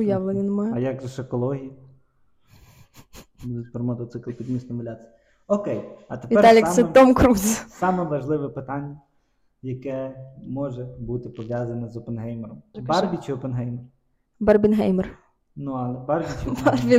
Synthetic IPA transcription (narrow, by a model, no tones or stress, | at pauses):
ʊjɑʋlˠenʲɐnmɑjɐjaɡʒɛʃekɔlˠɔɦʲijɐ | pɔrmɔt̪ɔt̪sɪklˠpʲid̪mʲisnʲɐʋʊlʲat͡s̪ʲii | ɔkɛjɐt̪epʋiɛɑlʲiksɛt̪ɔmkɾuzsɑmɛʋɐʒlˠɪʋɛpɪt̪ɑnʲːɐ | jɐkɛmɔʒɛbut̪ɪpɔʋʲjɑzɐnɐzɔpenɦɛjmeɾɔmbɑrbʲit͡ʃɪɔpenɦɛjmer | bɑrbʲinɦɛjmɛr | nuɐlˠɛbɑrbʲit͡ʃɪbbʲi